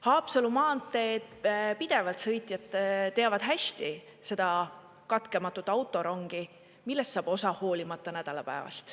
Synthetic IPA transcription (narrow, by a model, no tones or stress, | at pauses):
hɑːpsɑlumɑːnt̪ːe̞ːd̪̥pid̪̥e̞vɑlt̪sɤ̞jt̪ˑjɑt̪ˑːet̪e̞ɑvɑd̪̥ɦæst̪i | se̞d̪̥ɑ | kɑt̪ke̞mɑt̪ːˑut̪ːˑɑwt̪ːˑo̞ɾo̞ŋɡ̥i | milːest̪sɑːb̥o̞sɑho̞ːlimɑt̪ːˑɑnæd̪̥ɑlɑ̰pæ̰evɑ̰st̪